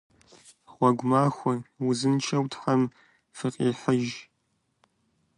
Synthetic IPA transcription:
ʁʷɔɡʷmaːxʷʊwʊzɨnt͡ʃʰɐwtʰħam | fɨqʼiːħəʒ

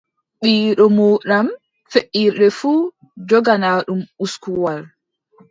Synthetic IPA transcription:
ɓiːɗɔmuːɗam | feʔːiːɾɗɛfuː | d͡ʒɔɡanaːɗumuskuwaɾ

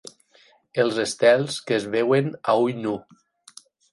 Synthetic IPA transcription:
elˠzest̪ɛlˠskeːzβewenaujnu

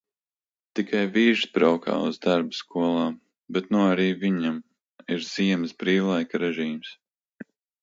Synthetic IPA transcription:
t̪ikʰajviːʒsbɾawka̰ːṵzd̪aɾbskuɔlˠaː | bɛt̪nuaɾiːviɲam | iɾz̥iɛmsbɾiːwlˠajkaɾɛʒiːms

